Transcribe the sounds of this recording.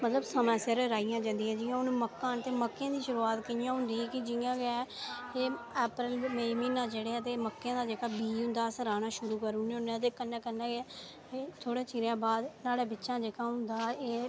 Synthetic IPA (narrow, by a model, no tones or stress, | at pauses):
mət̪ləbsəmãːseɾɾaːijãːd͡ʒãːnd̪iːãːd͡ʒɪːjãːʊnməkːãːnt̪eːməkːjãːd̪iːʃʊɾuːaːt̪kɪnjãːɦʊ̃nd̪iːkɪd͡ʒɪjãːɡɛːeːɛːpɾəlmeːmiːnãːd͡ʒeːɽeːaːt̪eːməkːãːd̪aːd͡ʒeːkaːbiːɦʊ̃nd̪aːsɾaːnaːʃʊɾuːkəɾunẽʊnẽːt̪̬eːkənːɛ̃ːkənãːɡː | eːt̪ʰoːɽẽːt͡ʃiːɾãːbaːd̪naːɽeːbɪtːʃãːd͡ʒeːkaːɦʊnd̪aːeː